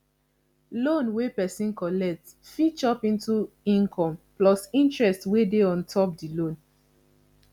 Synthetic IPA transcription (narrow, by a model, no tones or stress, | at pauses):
lõnwepɛsĩnkɔlɛk̚t | fit͡ʃɔpĩntu | ĩnkʰɔ̃mplɔsĩntɹɛstwedeɔ̃ntʰɔp̚dilõn